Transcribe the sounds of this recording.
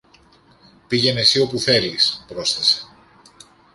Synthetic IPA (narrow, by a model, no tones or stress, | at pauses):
piʝe̞ne̞sio̞puθe̞lispɾo̞sθese̞̥